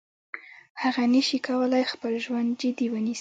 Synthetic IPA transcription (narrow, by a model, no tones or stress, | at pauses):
haɣanəʃikawəlajxpəlʒwand̪̚d͡ʒɪd̪iwənis